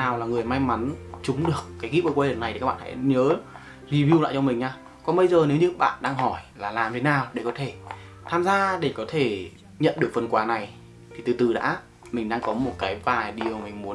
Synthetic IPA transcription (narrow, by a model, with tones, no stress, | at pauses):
naː˨˩wlaː˨˩ŋɨ˨˩əjma˧jma˨˦nt͡ɕʊ˨˦ŋ͡mɗɨ˨˩əkːaː˨˦jɣi˦˥p̚ʔəː˧˩kwaː˧˩ɗə˨˩na˨˩jt̪ʰi˨˩aː˦˥ɓa̰ː˧˨˩ha̰˧˥ɲəː˨˦ | zi˧vi˧wla̰ː˧˨t͡ɕɔ˧mï˨˩ŋ̟ɲaː˧ | kɔ˨˩nɓə˧jzəː˨˩ne˨˦wɲɨ̰˧˥ɓa̰ː˧˨nɗaː˧ŋɦɔ˧˩jlaː˨˩laː˨˩mt̪ʰe˨˦naː˨˩wɗe˧˩kɔ˨˦t̪ʰe˧˩ | t̪ʰaː˧mzaː˧ɗe˧˩kɔ˨˦t̪ʰe˧˩ | ɲə̰˧˨nɗɨ˨˩əkfə˨˩nkwaː˨˦na˨˩j | t̪ʰi˨˩t̪ɨ˨˩t̪ɨ˨˩ɗa̰ː˧˥ | mï˨˩ŋ̟ɗaː˧ŋkɔ˨˦mo˨˩t̚kaː˨˦jvaː˨˩jɗi˨˩əwmï˨˩ŋ̟mu˨˦ən